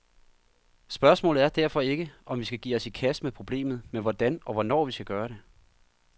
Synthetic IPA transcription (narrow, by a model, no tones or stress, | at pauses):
sb̥ɶɐsmɔ̰̽ːlð̩ˠæɐd̥æɐ̰fɒ̽e̝ɡ̥əʔɒ̽mʋisɡ̥æɡ̥ḭːɒ̽sikʰæsmepʰʁo̝b̥le̝̰ːmð̩ˠmeʋɒd̥ænɒ̽ʋɒnɒ̰ːʋisɡ̥æɡ̥ɶːɐɾ̥e̝